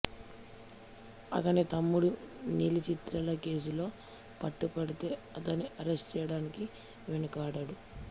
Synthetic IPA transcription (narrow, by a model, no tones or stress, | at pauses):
ɐ̰t̪ɐnit̪ɐmːuɽu | niːlit͡ʃit̪ɾɐlɐke̞ːs̬ulo̞ː | pɐʈːupɐɽit̪e̞ːɐt̪ɐnːiʔɐɾesʈt͡ʃɛjɐɽaːniki | ʋenɐkaːɽaɽu